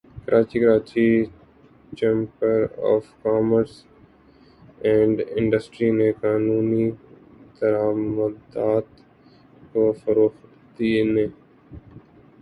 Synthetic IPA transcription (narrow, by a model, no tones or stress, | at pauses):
kəɾʔaːt͡ʃikəɾaːt͡ʃi | t͡ʃẽːmpəɾɔ̰ːfkaːməɾs | ɛ̃ːɳɖɪ̃ɳɖəsʈɾinekaːnuːnid̪əɾaːməd̪aːt̪ | koːfəɾoːx | t̪iːne